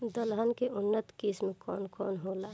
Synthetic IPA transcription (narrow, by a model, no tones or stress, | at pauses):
d̪əlɦankeʔʊnːət̪kiːsmẽkɔ̰ːnkɔ̰ːnɦoːlaː